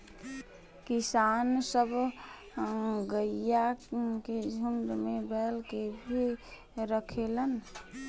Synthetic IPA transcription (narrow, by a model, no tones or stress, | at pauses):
kisaːnsəb | ɡəjaked͡ʒʱuɳɖmebɛlkebʱi | ɾəkʰelən